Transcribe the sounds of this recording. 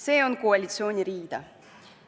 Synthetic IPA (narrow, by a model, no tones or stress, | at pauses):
se̞ːo̞nkoalʲit̪sio̞ːnʲiɾiːd̪̥ɑ